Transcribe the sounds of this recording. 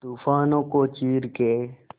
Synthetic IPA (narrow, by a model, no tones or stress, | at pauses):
t̪uːfaːnõːkoːt͡ʃiːɾkeː